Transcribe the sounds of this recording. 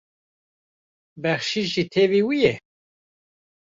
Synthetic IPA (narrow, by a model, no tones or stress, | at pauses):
bɛχʃiʒit̪ʰɛviːwijɛ